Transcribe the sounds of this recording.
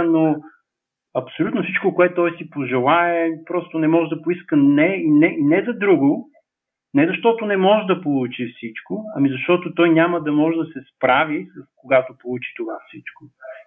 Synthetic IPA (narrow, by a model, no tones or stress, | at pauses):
no | ɐpsolʲut̪nofsit͡ʃkokoɛt̪ːɔjsipoʒɛlˠaɛpɾɔst̪onɛmɔʒɛd̪ɐpoiskənɛinɛʔinɛzɐd̪ɾuɡo | nɛzɐʃt̪ɔt̪onɛmɔʒɛd̪ɐpolˠut͡ʃifsit͡ʃkoɐmizɐʃt̪ɔt̪ot̪ɔjnʲaməd̪ɐmɔʒɛd̪ɐsɛspɾavisəskoɡat̪opolˠut͡ʃi̥t̪ovafsit͡ʃko